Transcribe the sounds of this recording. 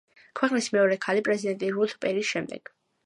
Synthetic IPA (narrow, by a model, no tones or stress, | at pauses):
kʰwɛqʼnismɛɔɾɛkʰalipʼɾɛzid̪ɛnt̪ʼiɾut̪ʰpʼɛɾisʃɛmd̪ɛ̰ɡ̥